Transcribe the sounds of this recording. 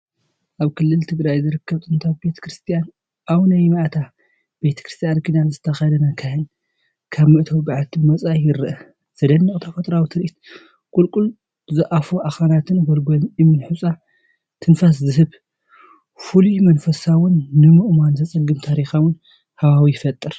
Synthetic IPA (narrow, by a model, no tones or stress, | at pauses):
ʔaβkʰɨlːɨlt̪ʰɨɡɾajzɨɾɨkʰːɐβt̪ʰʼɨnt̪ʰabe̞t̪ʰɐ̥kɾɨst̪ʰijan | ʔawnɐjmaʔt̪ʰa | b̥e̞t̪ʰɐkɾɨst̪ʰjankʰid̪anzɨt̪ʰːɐxajd̪ɐnakʰahɨn | kʰaβmɨʔɨt̪ʰɐwbɨʕalt̪ʰɨmɐt͡sʼajɪɾɨʔɐ | z̥ɐd̪ɐnːɨkʼt̪ʰɐfɐt̪ʼɾawt̪ʰɨɾʔit̪ | kʼulkʼul | zɐʔafuʔaxanat̪ʰɨnɡolɡolɨmɨnħusʼa | t̪ʰɨnfas̬zɨɦɨβ | fulumɐnfɐsawʊnːɨmɨʔmanzɐt͡sʼɨɡːɨmt̪ʰaɾixawʊn | hɐβawijɪfɐt̪ʼːɨɾ